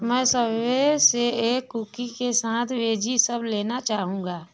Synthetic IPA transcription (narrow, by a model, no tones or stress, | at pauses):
mɛ̃ːsəbʋeseeːkːukikesaːt̪ʰʋeːd͡ʒisəbleːnat͡ʃaːɦũːɡaː